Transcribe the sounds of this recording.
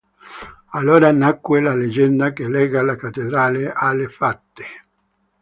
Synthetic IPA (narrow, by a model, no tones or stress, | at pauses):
alːoːɾanakːwelaled͡ʒɛnd̪akelɛːɡalakat̪ːed̪ɾaːleʔalːefat̪ːe̥